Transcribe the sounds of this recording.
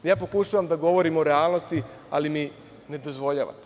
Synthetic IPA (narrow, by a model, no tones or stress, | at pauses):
jaːpo̞kuʃaːʋamd̪aɡo̞ʋo̞ɾimoɾealˠnost̪i | a̰limi | ne̞d̪ozʋo̞ʎa̰ːʋa̰t̪